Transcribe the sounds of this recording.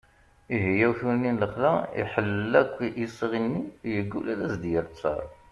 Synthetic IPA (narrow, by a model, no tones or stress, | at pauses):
iɦəjːæwθuɾninləχlæḭħəlːækʷːisˤəʁinːijəɡːulælæsd̪jəɾt͡sːɑ̰ɾˤ